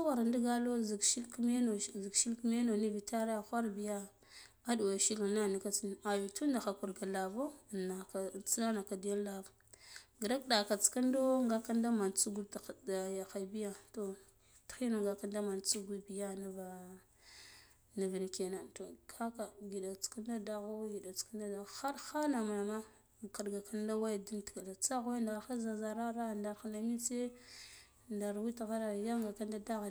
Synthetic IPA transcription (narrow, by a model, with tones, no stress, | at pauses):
a˦wa˨ɾa˨ndi˦ɡa˦lo˦zʃi˦lkme˦no˨zi˨kʃi˦lkme˦no˨ni˦vi˨ta˦ɾa˦˨xʷa˦ɾbi˨ja˦ | a˦du˨wa˨ʃi˦lna˦˨ni˨ka˦t͡si˦n˨a˨vi˨tu˦nda˨xa˨ku˨ɾɡa˨la˨vo˦˨na˨t͡si˦na˦na˨ka˨di˨ja˦lːa˨vɡi˨ɾa˦k̚da˨ka˨t͡ska˦ndo˦ŋɡa˦ka˦nda˦ma˨nt͡su˦ɡu˦dda˨ja˨xa˨jbi˦ja˦to˨ | txi˦nu˨ŋɡa˨ka˦nda˦ma˨nt͡su˦ɡi˦bi˨ja˦na˦va˨ | ni˨vi˨n˨ke˨na˨nto˨kʰa˦ka˨ɡi˨da˨t͡ska˦nda˦da˦ɣa˦ɡi˨da˨t͡ska˦da˦da˨xa˦ɾxa˦na˨ma˨na˨ma˦˨ | ka˨ɗɡa˨ka˦n˦da˦wa˦jdi˦nti̥˨ka˨da˨t͡sa˦ɣa˦nda˨xa˦za˨za˨ɾa˦ɾa˦˨nda˨˦a˨na˨mi˦t͡se˦ | nda˨ɾwi˦ta˨ɣa˦ɾa˨ja˦ŋɡa˨ka˦n˦da˦da˦ɣ